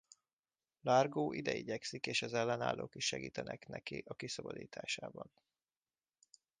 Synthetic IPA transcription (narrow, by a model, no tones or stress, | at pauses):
larɡoːʔid̪ɛiɟɛksikeːʃɒzɛlːɛnaːlːʔoːkiʃːɛɡiːt̪ɛnʔɛknɛkiʔɒkisɒbɒd̪iːt̪ʰaːʃaːbɒn